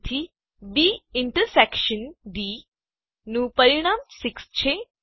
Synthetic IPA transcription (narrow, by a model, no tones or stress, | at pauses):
t̪ʰi | biiɳʈəɾsekʃənɖi | nupəɾiɽ̃aːmsikst͡ɕʰe